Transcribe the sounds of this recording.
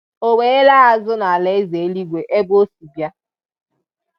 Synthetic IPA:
o˨we˨˦e˦la˦a˦zʊ˦na˨le˨˦e˦ze˨e˦li˦ɡʷe˨ʔe˦bo˦su˨bja˦

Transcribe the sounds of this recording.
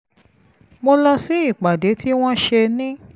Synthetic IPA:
mo˧lɔ˧si˨˦i˦˨k͡pa˨de˨˦tʰi˦w̃ɔ̃˦ʃe˧nĩ˦

